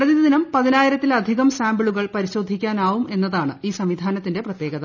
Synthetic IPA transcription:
rɐðiðd̪inɐmpɐðinaːjiɾɐt̪ːilɐd̪ʱiɣɐmsaːmbiɭuɣɐɭpɐɾiɕo̞ːd̪ʱikʲːaːnaːʋume̞nːɐðaːɳɨiːsɐmʋid̪ʱaːnɐt̪ːinde̞prɐt̪je̞ːɣɐðɐ

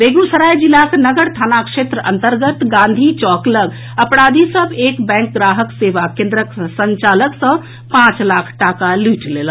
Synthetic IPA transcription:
beːɡusəɾajd͡ʒilaknəɡəɽt̪ʰaːnakʂet̪ɾəʔə̰̃nt̪əɾɡət̪ɡãːnd̪ʱit͡ʃɔːkləɡ | əpɽaːd̪ʱisəbekbɛ̃ːŋk̚ɡɾaːɦəkseːʋakẽːnd̪ɾəksəɲt͡ʃaːləksə̃ | pãt͡ʃlaːkʰʈakaluʈlelə

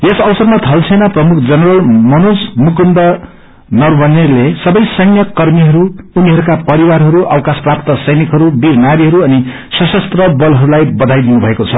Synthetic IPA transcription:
jesʌbʌsʌrmat̪ʰʌlt͡sʰʌjnʌprʌmukʰd͡zʌnʌrʌlmʌnusmukunɖʌ | nʌrwʌnerlesʌbʌjsʌjnjʌkʌrmiɦʌɾuːniɦʌɾukapʌɾiwaɾɦʌɾuʔʌ̰wkasprapt̪ʌsʌjnikɦʌɾubiɾnaɾiɦʌɾuʌni | sʌsʌst̪rʌbʌlɦʌɾulajbʌd̪ʱajd̪inubʱʌekot͡sʰʌ

